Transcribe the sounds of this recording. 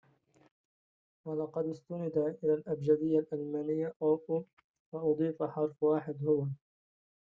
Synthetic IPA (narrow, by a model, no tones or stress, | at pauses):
wɑlɑqɑd̪ɪst̪ʊnɪd̪aʔɪlaːlʔabd͡ʒad̪ɪjːalʔalmaːnɪjːaʔoːʔu | fɑʔɑd̪ˤiːfaħɑɾˤfwaːħɪd̪hʊwa